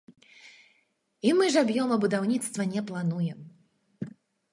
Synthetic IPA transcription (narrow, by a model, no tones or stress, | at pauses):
imɨʐabjɔmɐbud̪awnʲit̪st̪vɐnʲɛplˠanujɛm